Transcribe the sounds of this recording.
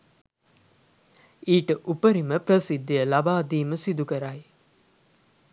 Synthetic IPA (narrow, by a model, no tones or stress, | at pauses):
iːʈəʔupəɾiməprəsid̪ːijəlabaːd̪iːməsid̪ukəɾaj